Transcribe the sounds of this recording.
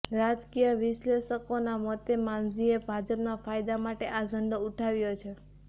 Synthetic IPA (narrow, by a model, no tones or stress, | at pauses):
ɾad͡ʒkijəʋɪʃleʃəkonamɔt̪emand͡ʒiebʱad͡ʒəpnafajd̪amaʈeʔad͡ʒʱəɳɖouʈʰaʋjot͡ʃʰe